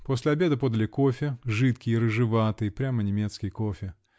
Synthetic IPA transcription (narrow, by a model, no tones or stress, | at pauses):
po̞sʲlʲɪɐbʲe̞d̪əpo̞d̪əlʲɪko̞fʲɪʐɨt̪kʲɪjiɾɨʐɨvat̪ɨjpɾʲamənʲɪmʲe̞t̪skʲɪjəkofʲɪ